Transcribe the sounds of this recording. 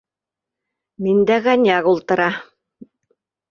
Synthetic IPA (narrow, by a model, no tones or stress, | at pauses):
mind̪æɣɑnʲɑɣulˠt̪ɤ̆ɾɑ